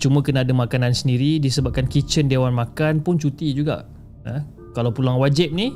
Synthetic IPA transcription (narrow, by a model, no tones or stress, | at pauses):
t͡ʃumə̃kənaːdamakanansəndiɾidisəbap̚kankit͡ʃəndewanmãkanpʊnt͡ʃut̪id͡ʒuɡa̰ʔ | ə | kalawpulaŋwad͡ʒɪp̚ni